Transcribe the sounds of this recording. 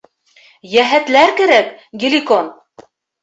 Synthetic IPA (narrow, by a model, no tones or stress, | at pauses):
jæɦæt̪læɾkæɾækɡʲilʲikon